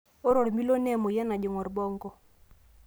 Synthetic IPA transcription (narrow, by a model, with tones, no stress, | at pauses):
o˦ɾɔ˨ɾmi˦lo˦nɛ˦˨mo˨jɛ˦na˨d͡ʒo˨ŋɔ˨ɾbɔ˦ŋɡɔ˦